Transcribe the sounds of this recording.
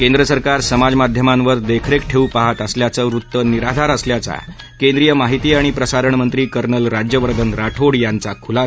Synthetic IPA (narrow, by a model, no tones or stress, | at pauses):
kẽnd̪ɾəsəɾkaɾsəmad͡zmad̪ʱjəmãnʋəɾd̪ekʰɾekʈʰeupaɦat̪əsljat͡səɾut̪ːəniɾad̪ʱaɾəsljat͡sa̰ | kẽnd̪ɾijəmaɦit̪iːaɽ̃ipɾəsaɾəɳmənt̪ɾiːkəɾɳəlɾad͡ʑjəʋəɾd̪ʱənɾaʈʰoɽjant͡sakʰula